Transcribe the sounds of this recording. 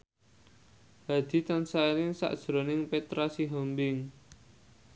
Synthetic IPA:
had̪̥i̤t̪ansailɪŋsa̰ʔd̥ʒ̥ɾonɪŋpet̪ɾasiɦɔmbɪŋ

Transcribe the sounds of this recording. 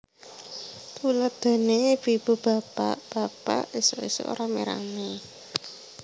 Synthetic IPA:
t̪ulət̚d̪̥a̤neb̥i̤b̥ṳb̥a̤pa̰ʔb̥a̤pa̰ʔisoiso̰ʔo̰ɾameɾa̰ŋe

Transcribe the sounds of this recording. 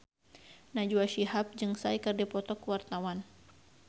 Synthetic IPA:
nad͡ʒuaʃiɦap̚d͡ʒɨŋsaikɨrdipɔt̪ɔkuwart̪awan

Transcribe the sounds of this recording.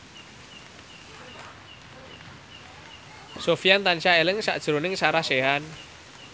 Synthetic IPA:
sofiant̪anʃaelɪŋsa̰ʔd̥ʒ̥ɾonɪŋsaɾaseɦan

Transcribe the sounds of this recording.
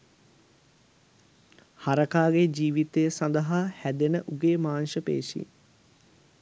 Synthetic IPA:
haɾəkaːɡed͡ʒiːʋit̪ejəsɐnd̪əɦahæd̪enəʔuɡeːmaːnʃəpḛːʃḭ

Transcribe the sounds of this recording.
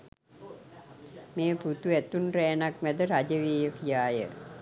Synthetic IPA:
meːput̪uæt̪unrɛːnakʋæd̪əɾad͡ʒəʋeːjəkijaːjə̰

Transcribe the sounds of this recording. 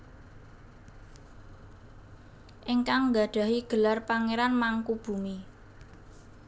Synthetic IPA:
ʔɪŋkaŋɡa̤ɖ̥ä̤ɦiɡ̥ə̤larpaŋeɾanmaŋkub̥ṳmi

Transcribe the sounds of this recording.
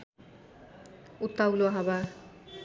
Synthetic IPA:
ut̪ːawloaɦaba

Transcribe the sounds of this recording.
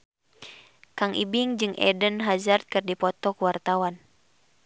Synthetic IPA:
kaŋʔḭbiŋd͡ʒɨŋɛ̰dənɦazart̪̚kɨrdipɔt̪ɔkuwart̪awan

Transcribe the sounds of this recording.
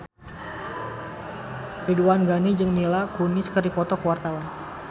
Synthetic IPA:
riduanɡanid͡ʒɨŋmilakuniskəripɔt̪ɔkəwart̪awan

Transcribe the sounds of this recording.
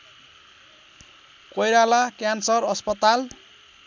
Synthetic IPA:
kojɾalakjansʌrʌspʌt̪al

